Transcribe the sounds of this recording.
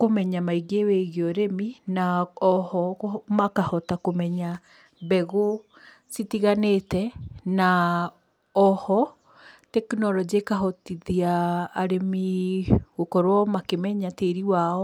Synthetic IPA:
komɛɲamaiɡeweɣeɔɾeminaɔhɔmakahɔtakomɛɲa | bɛɣo | sitiɣanetɛna | ɔhɔ | tɛknɔlɔd͡ʒiekaɦɔtiðiaːɾemi | ɣokɔɾwɔmakemɛɲateɾiwaɔ

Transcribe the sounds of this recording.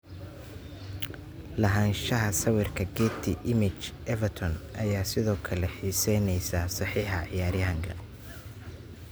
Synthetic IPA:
lɐɦɐnʃɐɦɐsɐwɪrkʰɐɡɛːt̪ʰɪʔɪmɪt͡ʃʔɛvɐt̪ʰɔnʔɐjaːsɪðɔːkʰɐlɛħiːsɛnɛjsɐsɑħiːħɑʕɪjaːɾɪjɐɦɐŋkʰɐ

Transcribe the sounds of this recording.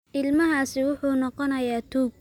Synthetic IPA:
ʔɪlmɐɦaːsɪwʊħuːnɔqɔnɐjaːt̪ʰuːɡ̚

